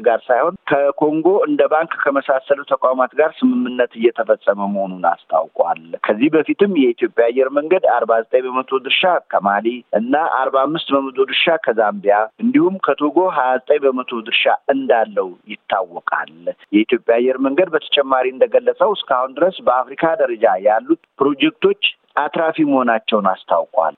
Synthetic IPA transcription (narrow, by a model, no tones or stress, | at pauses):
ɡaɾsajho̞nkʰəkʰo̞ŋɡoɨnd̪əbaŋkkʰːəməsasələt̪ʰəkʼawmat̪ɡaɾsɨmɨmːɨnːət̪ɨjːɛt̪ʰəfəsʼːəməməhonuna̰st̪ʰʼa̰wkʼwa̰lkʰəzːihbəfit̪ʰɨmjɛit̪ijo̞pʼjaːjːɛɾməŋɡəd̪aɾbazət̪ʼəɲjbəmət̪ʰo̞d̪ɨɾʃakʰəmaliʔɨnːaʔa̰ɾbaamːɨst̪bəmət̪ʼod̪ɨɾʃakʰəzambijaɨnd̪ihumkʰət̪ʰoɡo̞ɦajazət̪ʼəɲbəmət̪ʰo̞d̪ɨɾʃaɨnd̪alːəwjɪt̪ʰːawːɔkʼa̰ljɛit̪jo̞pʼjaːjːɛɾməŋɡəd̪̚bət̪ʰə̥t͡ʃʼɛmːaɾiɨnd̪əɡəlːət͡sʼəwɨskʰahund̪ɨɾəsbəafɾikʰad̪əɾəd͡ʒajalːut̪̚pɾo̞d͡ʒɛk̚t̪ʰo̞t͡ʃː | at̪ɾafiməho̞nat͡ʃːɛwnast̪ʰawkʼwa̰l